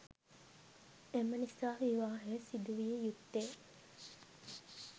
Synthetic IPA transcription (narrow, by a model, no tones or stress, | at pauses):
emənisaːʋiʋaːɦesid̪uʋiejut̪ːeː